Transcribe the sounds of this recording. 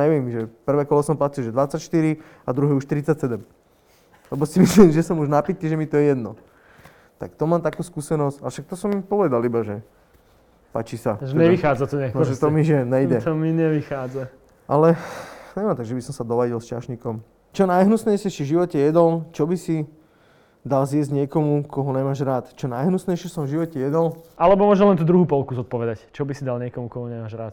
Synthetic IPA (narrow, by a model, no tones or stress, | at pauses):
ɲɛʋɪɛmʒɛpr̩ʋɛːkɔlɔsɔmplacilˠʒɛd̪ʋat͡sacʃt̪iɾi | ad̪ɾuɦɛːuʃt̪ɾit͡sːacsɛd̪ɛm | lɛbɔsimislimʒɛsɔmuʒnapit̪iʒɛmit̪ɔjɛjɛd̪nɔ̰ | t̪a̰kt̪ɔmaːmt̪akuːskusɛnɔscaʃak̚t̪ɔsɔmːipɔʋɛd̪alibaʒɛ | pa̰ːt͡ʃisa̰ʒɛɲɛʋixaːd͡zat̪ɔɲɛknɔʒɛt̪ɔmiʒɛɲɛjdɛt̪ɔmiɲɛʋixaːd͡za | ʔalɛɲɛmant̪aɡʒɛbisɔmsad̪ɔʋajilst͡ʃa̰ʃɲikɔm | t͡ʃɔnajɦnusnɛjsɛt͡ʃivʒiʋɔcɛjɛd̪ɔlt͡ʃɔbisi | d̪alzjɛzɟɲɪɛkɔmukɔɦɔɲɛmaːʒɾaːt̪t͡ʃɔnajɦnusnɛjt͡ʃɛsɔ̃ɱvʒiʋɔcɛjɛd̪ɔlʔalɛbɔmʊɔːʒɛlɛnt̪uːd̪ɾuɦuːpɔlˠkuzɔt̪̚pɔʋɛd̪act͡ʃɔbisid̪alɲɪɛkɔmukɔmɔɲɛmaːʒɾaːt̪